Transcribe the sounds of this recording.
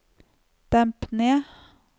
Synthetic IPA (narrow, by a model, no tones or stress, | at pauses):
d̪̥æmpneː